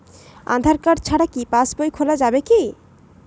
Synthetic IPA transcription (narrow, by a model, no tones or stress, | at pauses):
a̰d̪ʱaɾkaɖt͡ɕʰaɽakipasbojkʰolad͡ʑabeki